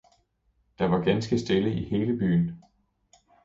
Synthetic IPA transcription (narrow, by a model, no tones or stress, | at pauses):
d̥ɑ̈ʋɑ̈ɡ̥ænsɡ̥əsd̥e̝ləʔihe̝ːləb̥y̰ːn